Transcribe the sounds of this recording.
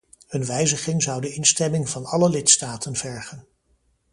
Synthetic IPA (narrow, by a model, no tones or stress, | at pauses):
ɵnʋɛjzəχɪŋzɑwdəɪnstɛmɪŋvɑnɑləlɪtstaːtənv̥ɛɹχən